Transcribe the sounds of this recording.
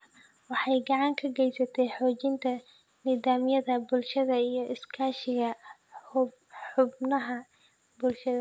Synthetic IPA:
wɑħɑjɡɑʕɑŋkʰɐɡɛjsɐt̪ʰɛjħɔːt͡ʃɪnt̪ʰɐ | niːðaːmjɐðɐbʊlʃɐðɐijɞʔɪskʰaːʃɪɣɐ | ħʊbnɐɦɐ | bʊlʃɐðɐ

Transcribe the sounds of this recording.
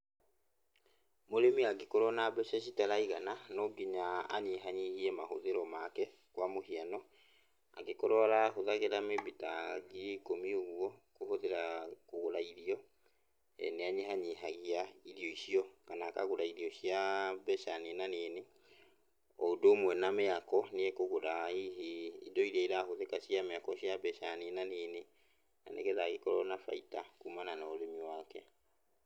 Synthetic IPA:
moɾemiaɡekoɾɔnabɛʃɛɕ̬itaɾaiɣananɔɡiɲa̰ːɲeɦaɲihiɛmahoðeɾɔmakɛ | kwamohianɔ | a̰ɡekoɾɔaɾahoðaɣeɾameβitaɡikomioɣwɔkohoðeɾakoɣoɾaiɾiɔ | ɛ̰neaɲeɦaɲiɦaɣiaiɾiɔiʃiɔkanakaɣoɾaiɾiɔɕiabɛʃaninaneːne | ɔdoːmwɛnameakɔneekoɣoɾaiɦiḭdɔiɾaiɾahoðekaɕijameakɔɕiabɛʃaninaneːne | na̰nḛkɛðaɣekɔɾɔnafa̰itakumananaoɾemiwaːkɛ

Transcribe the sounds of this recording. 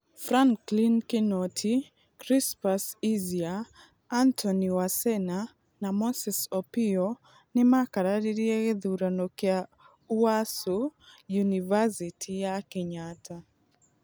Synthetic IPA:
fɾaŋklinkinɔtʰi | kɾispasiziaː | ntʰɔniwasɛna | namɔsɛsɔpiɔ | nɪmakaɾaɾiɾiɛɣeðuɾanɔkɛa | uasujunivasitʰijakɛɲata

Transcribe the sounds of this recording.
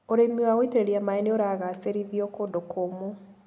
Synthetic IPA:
oɾemiwaɣoiteɾeɾiamaeneoɾaːɣaseɾiðiɔkondokʰomo

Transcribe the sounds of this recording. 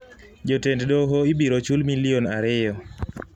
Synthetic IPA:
d͡ʒotenddoɦoibiɾot͡ʃulmilɪonaɾɪjɔ

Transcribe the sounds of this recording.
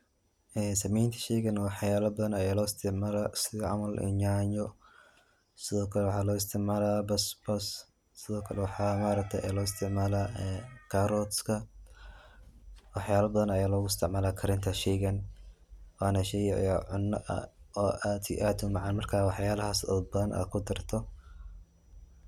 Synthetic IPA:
ʔɛːsɐmɛjnt̪ʰɐ̥ʃɛːɣɐnwɑħjaːlɐbɐðɐnɐjaːlɔːɪst̪ʰɪʕmaːlaɪst̪ɪʕmɐlʔɪ̰ɲaːɲɔ | sɪðɔːkʰɐlɛwɑħɑːlɔːɪst̪ʰɪʕmaːlaːbɐsbɐs | sɪðɔːkʰɐlɛwɑħɑːmaːɾɐk̚t̪ʰɐjʔɛ̰ːlɔːɪst̪ʰɪʕmaːlaːɛkʰaɾɔt̪skʰɐ | wɑħjaːlɐbɐðɐnɐjaːlɔɣʊɪst̪ʰɪʕmaːlaːkʰɐɾɪnt̪ʰɐʃɛɡɐn | waːnɐʃɛjʕ̰jɔʕʊnːɐʔɐ̰ɔːʔat̪ɪ̰ʔaːt̪ʰʊmɑʕɑnmɐrkʰaːwɑħjaːlɐɦasɔ̰bɐðɐnʔa̰ːd̪̚kʰʊd̪ɐrt̪ʰɔ

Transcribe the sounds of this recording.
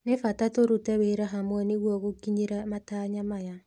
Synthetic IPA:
nefatatoɾutɛβeɾaɦamwɛneɣwɔɣokiɲeɾamataɲamaja

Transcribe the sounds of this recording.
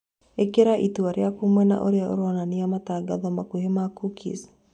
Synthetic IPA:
ekeɾaʔituaɾeakumwɛna̰ʔo̰ɾeaʔo̰ɾonaniamataɡaðɔmakuɦemakukʰḭs

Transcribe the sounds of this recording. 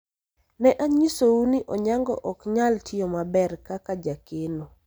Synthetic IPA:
nɛʔaɲisouniʔɔɲaŋɡɔ̰ʔɔkɲaltʰɪɔmabɛrkakad͡ʒakeno

